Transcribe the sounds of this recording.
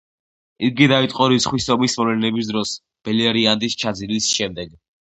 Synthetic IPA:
iɡid̪ait̪ʼqʼɔɾisχwisɔmismɔlɛnɛbis̬d̪ɾɔs | b̥ɛliɛɾiand̪ist͡ʃʰad̪zilisʃɛmd̪ɛɡ

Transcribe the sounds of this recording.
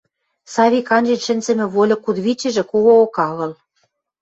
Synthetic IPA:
sɑβʲikɑnʲd͡ʑĕnʲʃɘ̆nʲzɘ̆mɘ̆βolʲɤ̆kud̪βit͡ɕɘ̆ʒĕkoɣookɑɣɤ̆l

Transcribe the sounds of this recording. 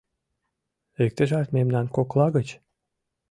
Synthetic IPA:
ek̚t̪əʒɑt̪memnɑnkoklɑɣət͡ɕ

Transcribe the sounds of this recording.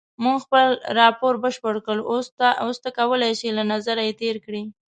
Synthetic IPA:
muŋxpəlɾɑpoɾbəʃpəɽkəlost̪ost̪akawəlajʃilanazaɾajet̪eɾkɽi

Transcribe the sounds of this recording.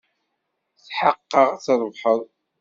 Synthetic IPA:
θħəqːəʁθəɾˤvħəðˤ

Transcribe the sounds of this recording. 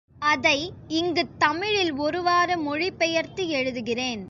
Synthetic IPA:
ɐðɐɪɪŋɡɯt̪ːɐmɪɻɪlɔɾɯʋaːɾɯmɔɻɪpːɛjɐɾt̪iɛɻɯðɯɣɪreːn

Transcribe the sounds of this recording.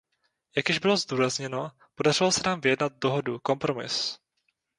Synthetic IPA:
jaɡjɛʒbɪlo̞zduːɾazɲɛno̞ | po̞dar̝ɪlosɛnaːmvɪjɛdnat̪̚do̞ɦoduko̞mpɾo̞mɪ̰s

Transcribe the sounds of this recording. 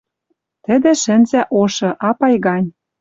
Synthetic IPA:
t̪ɘ̆d̪ĕʃɘ̆nzæʔoʃɤ̆ʔɑpɑjɣɑnʲ

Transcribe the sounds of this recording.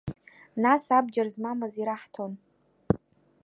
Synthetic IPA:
nasabd͡ʒarzmamaziɾaħtʰon

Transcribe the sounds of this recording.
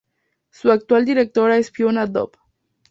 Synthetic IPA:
suak̚t̪uald̪iɾek̚t̪oɾaespionad̪o̰p

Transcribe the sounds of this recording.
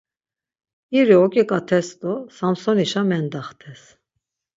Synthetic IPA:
iɾiɔkʼikʼat̪ʰɛst̪ɔsamsɔniʃamɛnd̪aχt̪ʰɛs

